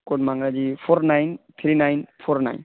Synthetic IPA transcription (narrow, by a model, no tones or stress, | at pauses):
kɔdmaŋɡad͡ʒipʰɔɾnajnt̪ʰɾinajnpʰɔɾna̰jn